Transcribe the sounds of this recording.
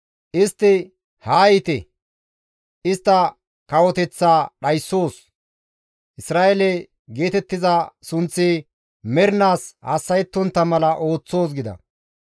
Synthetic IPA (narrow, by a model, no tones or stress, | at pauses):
ʔɪst̪ːɪ | haːjɪt̪ɛ | ɪst̪ːɐ | kɐwɔt̪ɛt͡sːaːɗɐjsːo̞ːs | ʔɪsɾaːʔelɛ | ɡe̞ːt̪ɛt̪ːɪzɐsʊnt͡sːɪ | mɛɾnaːshɐsːɐjɛt̪ːɔnt̪ːɐmɐlɐʔo̞ːt͡sːo̞ːs̬ɡɪd̪ɐ̰